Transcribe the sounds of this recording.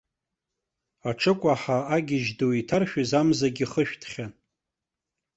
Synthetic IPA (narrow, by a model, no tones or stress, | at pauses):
aʈ͡ʂʰɨkʷʼaħaːɡʲɪʒdoitʰarʃᶣizamzaɡʲiχəʃᶣtʰχʲan